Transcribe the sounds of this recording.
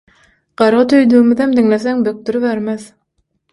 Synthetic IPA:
ɢ̥ɑɾʁɑt̪ʰøjd̪yːmyðæmd̪iŋleθeŋbøk̚t̪yɾyβeɾmeð

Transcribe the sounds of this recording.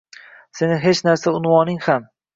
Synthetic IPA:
se̞nɪɦe̞t͡ʃnaɾsaʊnwɒnɪŋham

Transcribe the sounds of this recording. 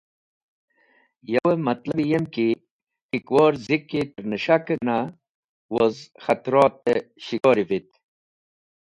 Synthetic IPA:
jɐwemɐt̪lɐbijemki | pikwɔːɾzikːit̪əɾnəʃakəna | wozxɐt̪ɾɔːt̪ːeɕiɡoːɾivit̪

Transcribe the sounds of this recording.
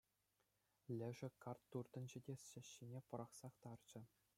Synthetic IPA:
lʲɘ̆ʐɘ̆kɑrt̪ːurt̪ɤ̆nd͡ʑɘ̆dʲesʲːɘ̆ɕːinʲepɤ̆ɾɑχsɑχt̪ɑrd͡ʑɘ̆

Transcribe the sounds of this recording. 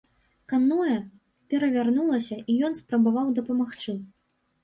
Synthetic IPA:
kanɔjɐ | pʲɛɾɐvʲarnulˠɐsʲɐʔijɔnspɾɐbavawd̪ɐpɐmaxt͡ʂɨ

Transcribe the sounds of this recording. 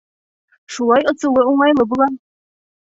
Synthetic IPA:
ʃulˠɑjɤ̆sɤ̆lˠɤuɴɑjlˠɤbulˠɑ

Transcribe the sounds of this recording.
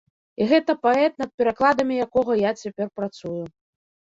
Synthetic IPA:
iɣɛt̪ɐpaɛt̪̚nɐt̪̚pʲɛɾaklˠad̪ɐmʲijakɔɣɐjat͡sʲapʲɛrpɾat̪suju

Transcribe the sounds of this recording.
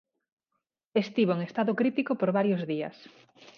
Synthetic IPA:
est̪iβoeŋest̪aðʊkɾit̪ikopoɾβaɾjozðiɐ̰s

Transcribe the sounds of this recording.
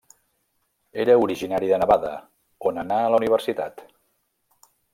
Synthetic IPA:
eɾəuɾiʒinaɾiðənəβaðə̰ | onənaələuniβ̞ərsit̪a̰t̪

